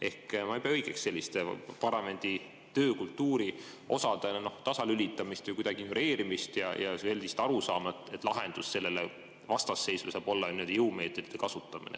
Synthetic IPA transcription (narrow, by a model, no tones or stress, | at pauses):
e̞hkmɑjpeɑɤjɡ̥eksse̞lʲːist̪epɑrɑme̞nʲd̪̥i | t̪ø̞ːkult̪ːuːɾi | o̞̰sɑd̪̥enoht̪ɑsɑlylʲit̪ːˑɑmist̪ujkujd̪ɑɡ̥ino̞ɾe̞ːɾimist̪jɑ̰jɑ̰se̞lʲd̪ist̪ɑɾusɑːmɑet̪ːˑet̪ːˑlɑɦe̞nd̪̥usse̞lːe̞le | vɑst̪ɑsːe̞jsvesɑːb̥o̞lːɑnimøld̪ijɤwme̞ːt̪ːˑed̪̥it̪ekɑsut̪ˑːɑmḭnḛ